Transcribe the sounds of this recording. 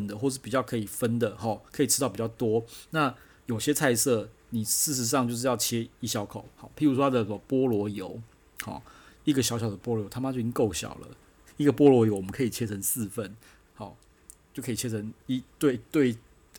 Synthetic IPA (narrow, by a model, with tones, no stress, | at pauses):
nd̪ə˨xwɔ˥˧ə˦ʂɻ̩˥˩pi˨˩t͡ɕjɑ˥˩ʊkʰɤ˧˥i˨˩fə˦nd̪ə˨xɑ˨˩kʰɤ˧˥i˨˩ʈ͡ʂʰɻ̩˥ɑ˥˩ʊpi˨˩t͡ɕjɑ˥˩ʊt̪wɔ˥na˥˨ | jo˨˩ʊɕjɛ˦˥t͡sʰa˥˧ɪsɤ˥˩ni˨˩ʂɻ̩˥˩ʂ̬ɻ̩˧˥s̬ɑ˥˧ŋt͡ɕjo˥˧ʊʂ̬̩˥˧jɑ˥˧ʊt͡ɕʰjɛ˥i˥˩ɕjɑ˥ʊkʰo˨˩ʊxɑ˨˦pʰi˨˥ŋɻu˦˥wɔ˥t̪ʰa˥d̪ə˨˩ə˨˩mə˦pwɔ˥lwɔ˧˥jo˧˦ʊ | xɔ̰˨˩i˥˩ɡə˨˩ɕjɑ˧˥ʊɕjɑ˨˩ʊd̪ə˩pwɔ˥lo˧jo˦ʊt̪ʰa˥ma˥t͡ɕjo˥˩ʊi˥ŋko˥˩ʊɕjɑ̰˨˩ʊlə̰˦ | i˥˩ɡə˨˩pwɔ˥lwɔ˧˥jo˧˥ʊwɔ˨mə˦ŋkʰɤ˧˥i˨˩t͡ɕʰjɛ˥t͡sʰə˧˥˦ŋsɹ̩˥˧fə˥˩n | hɑ˧˦ | t͡ɕo˥˩kʰɤ˧˥i˨˩t͡ɕʰjɛ˥t͡sʰə˧˦ŋi˥t̪we˥˩ɪt̪we˥˧ɪ